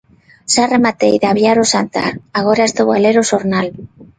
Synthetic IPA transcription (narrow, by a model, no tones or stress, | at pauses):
saremat̪ejðaβjaɾosant̪a̰aɣoɾast̪oɣaleɾosoɾnal